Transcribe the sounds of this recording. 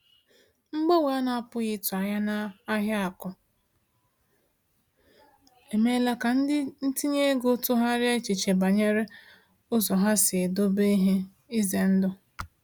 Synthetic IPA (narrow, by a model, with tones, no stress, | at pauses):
ŋ͡m̩˦ɡ͡bo˦we˨˦a˦na˦a˦˨pʊ˦ɣɪ˦tʊ˨a˨ɲa˦na˦a˦ɦja˦a˨kɔ˨ | e˨me˦la˦ka˨n̩˦n̩˦ti˦ɲe˦ɡo˦tʊ˦ɦa˦ɾɪ˦e˦t͡ʃi˨t͡ʃe˨ba˨ɲe˦ɾe˦ | ʊ˦zɔ˨ɦa˦sɪ˨e˨do˦be˦i˦ɦe˦ | i˦ze˨n̩˦dʊ˦